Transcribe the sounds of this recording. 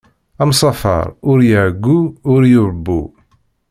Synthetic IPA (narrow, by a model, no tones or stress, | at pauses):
ɑmsˤɑfɑ̰ɾˤʊɾjəʕɡːuʊɾjʊɾəbːṵ